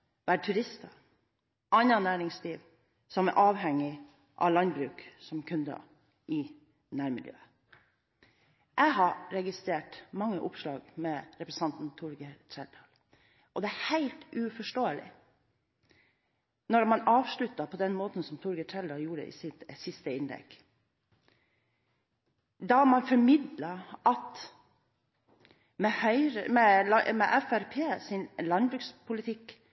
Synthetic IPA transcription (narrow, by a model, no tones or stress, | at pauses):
ʋæːɾʈʰʉɾɪst̪ɑ | ʔɑnːɑnæːɾɪŋsliːʋ | sɔmæ̰ʔɑːʋɦɛŋːɪ | ʔɑ̰lɑnbɾʉːksɔmkʰʉnd̪ɑ̰ | ʔɪ | næːɾmɪ̰ljø̰ːə | ʔæɪɦɑɾɛɡɪst̪ɾeːʈmɑŋːəʔʊpʂlɑːɡmɛɾɛpɾɛsɑnt̪n̩t̪ʰʊɾɡət̪ʰɾɛld̪ɑːl | ʔɔd̪ɛæhæɪlt̪ʔʉfɔʂʈoːəlɪ̰ | nɔɾmɑnɑːʋʂɭʉt̪ːɑpʰɔd̪ɛnmoːt̪n̩sɔmt̪ʰʊɾɡətʰɛld̪ɑljuːɾə̰ʔɪ̰sɪsɪst̪əɪnd̪ɛ̰kː | d̪ɑmɑnfɔɾmɪd̪lɑɑt̪ | mɛhœʏɾəmɛɑmɛʔæfæɾpʰeːsɪnlɑnbɾʉːkspʰʊlɪt̪ʰɪk